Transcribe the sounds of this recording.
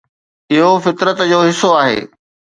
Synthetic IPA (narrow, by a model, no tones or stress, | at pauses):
ɪɦofɪt̪ɾət̪d͡ʑoːɦɪsoaːɦḛː